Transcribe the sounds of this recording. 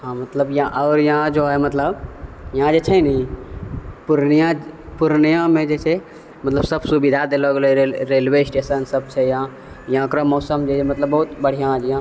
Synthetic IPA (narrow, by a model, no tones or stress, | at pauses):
ɦãmɐt̪ləbjãʔɔːɾjɦãd͡ʒoɦɛmɐt̪ləbjãd͡ʒet͡ʃʰɛnɐĩ | puɾnijãpuɾnijãmẽd͡ʒet͡ʃʰɛ | mɐt̪ləbsəbsubid̪ʱad̪eloɡeleɾeːlʋesʈeːsənsəbt͡ʃʰɛjã | jɐãkɾomɔːsəmd͡ʒet͡ʃʰemɐt̪ləbːɐɦut̪bəɽ̤ijãd͡ʒjã